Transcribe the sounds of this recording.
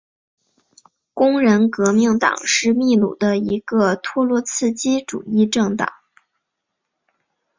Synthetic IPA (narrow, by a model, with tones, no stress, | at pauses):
kʊ˥ŋɻə˧˥nkɤ˧˥mi˥˩ŋt̪ɑ̰˨˩ŋʂɻ̩˥˧mi˥˩˧lṵ˨˩d̪ə˦i˧˥ɡə˧t̪ʰwɔ˥lwɔ˧˥t͡sʰɹ̩˥˩t͡ɕi˥ʈ͡ʂṵ˨˩i˥˧ʈ͡ʂɤ˥˩ŋt̪ɑ̰˨˩˦ŋ